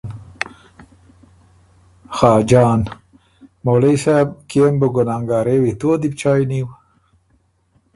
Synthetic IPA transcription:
xɑːd͡ʒɑːn | molejsab̚kembəɡʊnɑŋɡɑːɾewit̪od̪ip̚t͡ʃɑːjniw

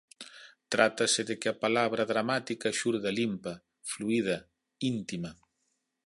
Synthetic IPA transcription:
t̪ɾʔat̪ɐseðekeapalaβɾɐðɾamat̪ikɐʃuɾðalimpɐ | fluið̞ɐ | int̪imɐ

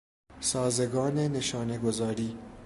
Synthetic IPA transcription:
sɑːzɐɡɑːnenɪʃɑːneɡʊzɑːɾi

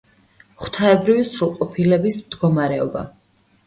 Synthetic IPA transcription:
χwt̪ʰaɛbɾivisɾulˠqʼɔpʰilɛbismd̪ɡɔmaɾɛɔba̰

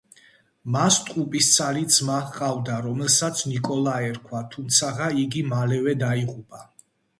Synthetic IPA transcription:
mast̪ʼqʼupʼist̪sʰʼaɾid̪zmaqʼavd̪aɾɔmɛlˠsat̪sʰnikʼɔlˠaɛɾkʰwat̪ʰumt̪sʰaʁaiɡimalɛvɛd̪aiʁʼupʼa

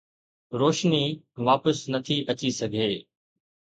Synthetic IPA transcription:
ɾoːʃni | ʋaːpəsnɐt̪ʰiʔɐt͡ɕisɐɡʱeː

